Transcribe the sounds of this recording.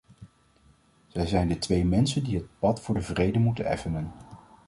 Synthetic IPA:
z̥ɛjzɛjndətʋejmɛnsəndiɦət̚pɑtfʊːɹdəvrejdəmutənɛ̰fənən

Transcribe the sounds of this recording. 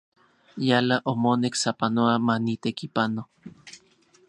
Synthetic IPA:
jalaʔomoneksapanoamanit̪ekipano

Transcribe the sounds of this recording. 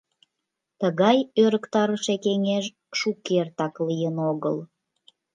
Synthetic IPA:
t̪əɣɑjøɾəkt̪ɑɾəʃekeŋeʒ | ʃukːert̪ɑklijənoɣə̰l

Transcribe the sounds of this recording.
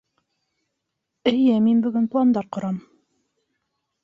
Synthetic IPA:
ɘ̆jɘminbɵ̆ɡɵnplˠɑnd̪ɑɾqŏɾɑm

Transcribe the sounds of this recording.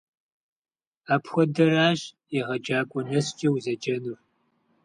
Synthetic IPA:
aːpʰxʷɔdɐraːɕ | iʁɐd͡ʒaːkʷʼɔnɐst͡ʃʼɐwzɐd͡ʒɐnur

